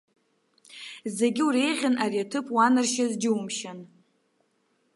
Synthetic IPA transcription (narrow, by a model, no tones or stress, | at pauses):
ze̞ɡʲɪuɾe̞jʁʲanʔariatʰɨpʼwanɨrʃazd͡ʒɪumʃan